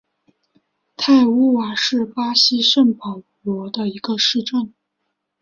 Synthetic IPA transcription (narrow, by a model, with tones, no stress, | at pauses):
t̪ʰa˥˩ɪu˥wa˨˩ʂɻ̩˥˩pa˥ɕi˥ʂə˥˩npʰɤ˨˩˦ʊ | lwɔ˧˥d̪ə˧i˧˥ɡə˧ʂɻ̩˥˧ʈ͡ʂə˥˩n